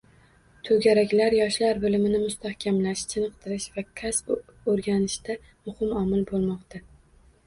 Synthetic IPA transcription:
t̪ʰɵɡʲaɾakʲlaɾjɒʃlaɾbɪlɪmɪnɪmʊst̪ʰahkʲʰamlaʃt͡ʃʰɪnɨq̚t̪ʰɪɾɪʃvakʲʰasoɾɡʲanɪʃt̪a | mʊhɪmɒmɪlbolˠmɒqt̪ʰa

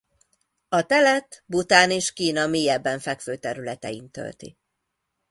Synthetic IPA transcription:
ɒt̪ɛlɛt̪but̪aːneːʃkiːnɒmiːjɛbːɛɱfɛkføːt̪ɛɾylɛt̪ɛ̰jint̪ø̰lt̪ḭ

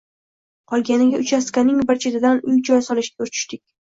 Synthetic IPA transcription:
qʰɒlˠɡʲanɪɡʲaʔʊt͡ʃʰaskʲanɪŋbɪɾt͡ʃʰet̪ʰɪd̪anʊjd͡ʒɒjsɒlɪʃɡʲaʊt͡ʃʰɪ̥ʃt̪ɪkʲ

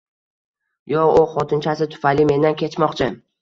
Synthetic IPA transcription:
jɒʊχɒt̪ʰɪnt͡ʃʰasɪt̪ʰʊ̥fajlɪme̞nd̪ankʲe̞t͡ʃmɒqt͡ʃʰɪ

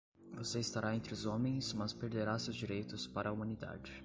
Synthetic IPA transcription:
voseist̪aɾaẽnt̪ɾɪʊzõmẽj̃smɐspeɾd̪eɾasewzd͡ʒiɾejt̪ʊspaɾɐumɐ̃nid̪a̰d͡ʒɪ

